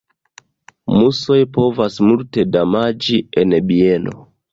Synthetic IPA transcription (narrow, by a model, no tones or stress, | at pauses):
muso̞jpo̞vasmulte̞damad͡ʒienbie̞no̞̰